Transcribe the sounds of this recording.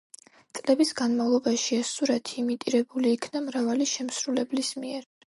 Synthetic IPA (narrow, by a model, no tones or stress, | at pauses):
t̪sʼlɛbisɡanmavlˠɔbaʃiɛsuɾat̪ʰiːmit̪ʼiɾɛbuliːkʰnamɾavaliʃɛmsɾulɛblismiɛɾ